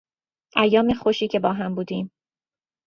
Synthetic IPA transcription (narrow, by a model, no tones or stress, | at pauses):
ʔæjːɒːmexoʃiːcʰe̞bɒːɦæmbuːd̪iːm